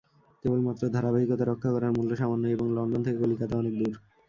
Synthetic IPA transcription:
kebolmat̪ːɾod̪ʱaɾabaɦikot̪aɾokʰːakɔɾaɾmulːoʃamanːoeboŋlɔɳɖont̪ʰekekolikat̪aɔnek̚d̪uɾ

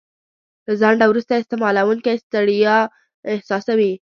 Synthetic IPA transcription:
lazaɳɖawɾust̪aɪst̪ɪmɑlawuŋkajst̪aɽijɑ | ɪhsɑsawi

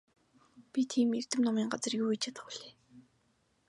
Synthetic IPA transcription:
pʲit̪ʰiːmer̥t̪ɘ̆mnɔmiːŋɢat͡sə̆rjuːjt͡ɕʰĕt̪ʰḁɮeː

